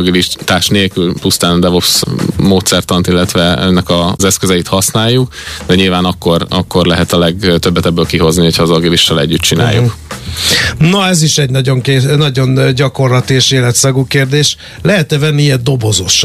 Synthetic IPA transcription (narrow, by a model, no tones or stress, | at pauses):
ɡiliʃt̪aːʃneːlkylpust̪aːnd̪ɛvofsmoːt̪sɛrt̪ɒnt̪ilːɛt̪ʋɛɛ̰nːɛkɒzɛskøzɛit̪hɒsnaːjːukd̪ɛɲilvaːnɒkːo̞rɒkːo̞rlɛɦɛt̪ɒlɛɡt̪øbːɛt̪ɛbːøːlkiɦo̞zniho̞chɒːzɒɡiliʃt̪ːɛlɛ̰ɟːyt̪t͡ʃina̰ːjːṵk | noɛziʃɛɟnɒɟo̞ŋkenɒɟo̞nɟɒko̞rlɒt̪ieʃeːlɛt̪sɒɡukeːrd̪eːʃ | lɛɦɛt̪ɛvɛnːiɛd̪o̞bo̞zo̞ʃ